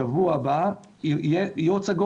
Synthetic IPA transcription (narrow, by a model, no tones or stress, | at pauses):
avuaba | jejot͡seɡo